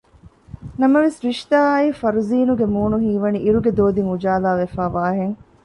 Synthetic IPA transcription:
nɐmɐʋesɾiʃt̪aːɐifɐɾuziːnuɡemuːnuɦiːʋɐniʔiɾuɡed̪oːd̪iŋud͡ʒaːlaːʋefaːʋaːɦeŋ

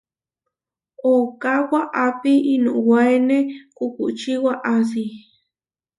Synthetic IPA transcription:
okawaʔapiʔinṵwajnekukut͡ʃiwaʔas̬i

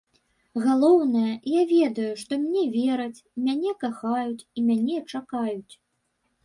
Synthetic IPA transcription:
ɣalˠɔwnɐjɐjavʲɛd̪ɐjuʂt̪ɔmʲnʲɛvʲɛɾɐt͡sʲmʲanʲɛkaxajut͡sʲimʲanʲɛt͡ʂakajut͡sʲ

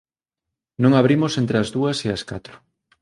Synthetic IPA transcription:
nõŋaβ̞ɾimosent̪ɾeazðuɐseaska̰t̪ɾʊ̥

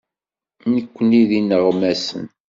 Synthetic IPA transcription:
nəkʷːəniðinəʁmæsə̰n

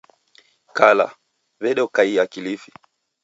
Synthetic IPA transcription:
kala̰ | βɛɗɔkaiakilifi̥

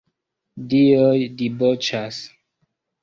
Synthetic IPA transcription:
diojdibot͡ʃas

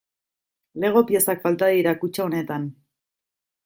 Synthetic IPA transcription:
le̞ɣ̞o̞pie̞sakfalt̪aðiɾakut͡ʃaone̞t̪an

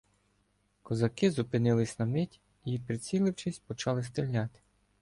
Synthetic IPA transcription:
kɔzɐkɪzʊpɪnɪlˠɪsʲnɐmɪtʲ | ipɾɪt͡sʲilˠɪwt͡ʃɪsʲpɔt͡ʃɑlˠɪst̪ɾɪlʲːɑt̪ɪ̥

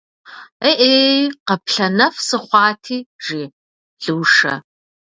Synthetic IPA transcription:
eʔeqɐpɬɐnɐfsɨχʷɑːtʰiːʐiː | ɮɨːʂɐ̰

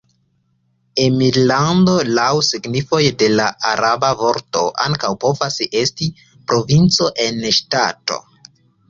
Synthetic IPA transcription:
emiɾlando̞lawsiɡnifo̞jde̞laʔaɾabavo̞ɾto̞ʔa̰ŋkawpo̞vase̞sti | pɾʔo̞vint͡so̞ʔe̞nʃta̰to̞̰

